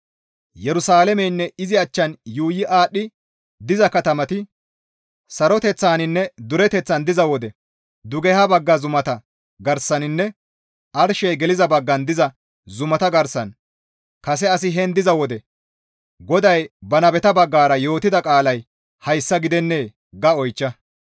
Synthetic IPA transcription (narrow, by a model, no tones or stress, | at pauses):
jɛɾʊsaːlɛmɛjnːɛɪzɪɐt͡ʃːɐnjuːjɪʔaːɗːɪ | d̪ɪzɐkɐt̪ɐmɐt̪ɪ | sɐɾɔt̪ɛt͡sːaːnɪnːɛd̪ʊɾɛt̪ɛt͡sːɐnd̪ɪzɐwɔd̪ɛ | d̪ʊɡɛhɐbɐɡːɐzʊmɐt̪ɐ | ɡɐɾsɐnɪnːɛ | ʔɐɾʃɛjɡɛlɪzɐbɐɡːɐnd̪ɪzɐ | zʊmɐt̪ɐɡɐɾsɐn | kɐs̬ɛɐs̬ɪɦɛnd̪ɪzɐwɔd̪ɛ | ɡɔd̪ɐjbɐnɐbɛt̪ɐbɐɡːaːɾɐjo̞ːt̪ɪd̪ɐkʼaːlɐj | hɐjsːɐɡɪd̪ɛnːe̞ː | ɡɐɔjt͡ʃːɐ